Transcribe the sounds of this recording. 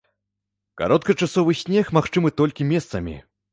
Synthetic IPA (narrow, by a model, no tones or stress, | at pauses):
ka̰ɾɔt̪̚kɐt͡ʂasɔvɨsʲnʲɛxmaxt͡ʂɨmɨt̪ɔlʲkʲimʲɛst̪sɐmʲḭ